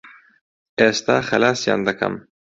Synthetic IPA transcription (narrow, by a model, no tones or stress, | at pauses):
est̪axalaːsja̰nd̪aka̰m